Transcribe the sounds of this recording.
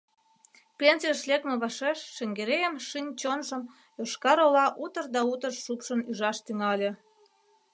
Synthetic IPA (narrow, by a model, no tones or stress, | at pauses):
pʲensijəʃlʲekmĕβɑʃeʃːĕŋɡeɾejəmʃinʲt͡ɕonʒə̆m | øʃkɑɾolɑʔut̪ərd̪ɑut̪ərʃupʃə̆nyʒɑʃt̪yŋɑlʲe